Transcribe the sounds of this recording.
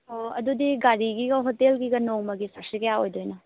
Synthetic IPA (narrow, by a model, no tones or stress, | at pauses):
oɐ̰dudiɡaɾiɡiɡɐɦotelɡiɡɐnoŋmɐɡisɐɾsikɐjaojdojnɐ